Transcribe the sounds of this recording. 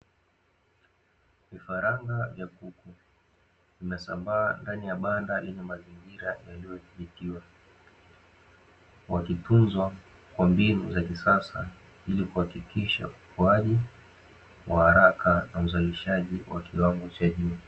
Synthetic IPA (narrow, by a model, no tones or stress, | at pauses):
vifaɾaŋɡavjakuku | vimɛsambaːndanijaɓandalɛɲɛmaziŋɡiɾajalijɔθiɓitiwa | wakitunzwa | kwambinṵzakisasa̰ | ilikuhakikiʃa̰upʰuaʄi | wʔahaɾakanauzaliʃaʄiwakʰiwaŋɡɔt͡ʃaʄuː